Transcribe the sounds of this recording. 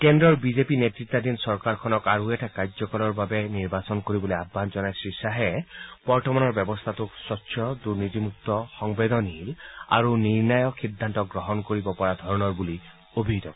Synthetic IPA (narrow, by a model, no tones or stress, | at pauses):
kendɹɔɹbizepinet̪ɹit̪ːad̪insɔɹkaɹkʰɔnɔkaɹueʈʰakazɔkɔlɔɹbabɛniɹbasɔnkoɹibɔleabʱːanzɔnajsɹisaɦɛb̥ɔɹtɔmanɔɹbɛbɔst̪ʰat̪usɔtːsʰjɔd̪uɹnit̪imuk̚t̪ɔxɔŋbed̪ɔniɦila̰ɹuniɹnajɔid̪ʱːant̪ɔk̚ɡɹɔɦɔnkoɹibɔpɔɹad̪ʱɔɹnɔɹbuli | obʱid̪ɔ̰k